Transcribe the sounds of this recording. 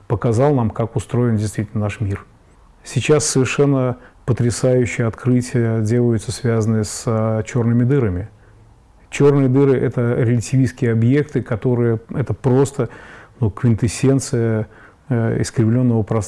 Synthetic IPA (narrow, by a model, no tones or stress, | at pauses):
pəkɐzɑlˠnamkakʊst̪ɾo̞jɪndʲɪjst̪vʲitʲlʲnənaʂmʲir | sʲɪt͡ɕasːəvʲɪrʂɛnːəpət̪ɾʲɪsajʉɕːɪjəɐt̪kɾɨtʲɪjədʲe̞lˠəjʊt̪səsvʲazənɨjəsət͡ɕo̞rnɨmʲɪd̪ɨɾəmʲɪ | t͡ɕo̞rnɨjəd̪ɨɾɨʔɛt̪əɾʲɪlʲɪtʲɪvʲiskʲɪjəɐbje̞kt̪ɨkɐt̪o̞ɾɨjəɛt̪əpɾo̞st̪ənukvʲɪnt̪ɨsʲːent̪sɨjə | ɪ̰skɾʲɪvlʲo̞nːəvəpɾɐ